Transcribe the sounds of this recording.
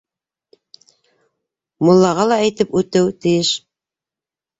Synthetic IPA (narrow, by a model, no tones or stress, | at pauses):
molˠːɑʁɑlˠɑæjt̪ɘpʉt̪ɘwt̪ɘ̆jɘʃ